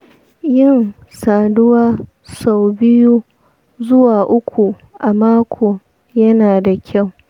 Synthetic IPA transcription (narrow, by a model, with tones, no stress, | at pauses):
jɪ˦˨n | saː˨dʊ˦waː˦ | sa˦˨wbɪ˦ju˦ | zʊ˦waː˨ʔʊ˦kʷu˨ | ʔa˨maː˦kʷʰoː˨ | jɐ˦naː˨da˨kʲʰa˦˨w